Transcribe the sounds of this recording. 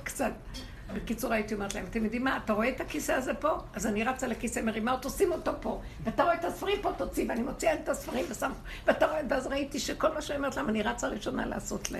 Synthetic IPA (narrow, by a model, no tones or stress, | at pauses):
kt͡sat̪ | bekit͡suʁait̪io̞me̞ʁtlahemat̪emjod̪imːaːtaʁo̞et̪akiseazepo̞azaniʁat͡salekisemeʁimaot̪osimo̞to̞po̞ | veat̪aʁoet̪asfaʁimpo̞t̪ot͡siveanimot͡siaemtasfaʁimvesamo | veataʁoeveazʁait̪iʃeko̞lmaʃeometlaemaniʁat͡saʁiʃo̞na̰la̰ːso̞tlḛ